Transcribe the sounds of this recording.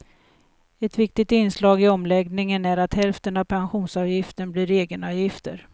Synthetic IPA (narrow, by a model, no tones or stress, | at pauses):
ɛt̪vɪk̚t̪ɪt̪ɪnslɑːɡɪɔmlɛɡnɪŋənæɾat̪hɛlft̪ənavpʰanɧuːnsɑːvjɪft̪ənbliːɾeːɡənɑːvjɪft̪əɾ